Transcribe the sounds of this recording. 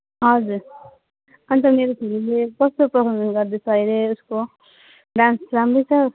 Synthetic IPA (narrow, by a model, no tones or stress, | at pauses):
ɦʌd͡zuɾ | ʌnit̪ʌmeɾop̪ʰililekʌst̪oprʌsʰʌmd͡zʌnɡʌɾd̪et͡sʰʌʌjɾeusko | ɖãnsrambʌjt͡sʰʌ